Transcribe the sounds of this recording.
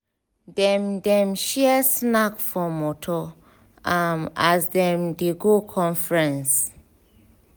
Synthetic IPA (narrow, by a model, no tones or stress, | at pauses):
dɛ̃mdɛ̃mʃɛsnakfɔmɔtʰɔ | amazdɛ̃mdiɡukʰɔ̃nfɹɛ̃ns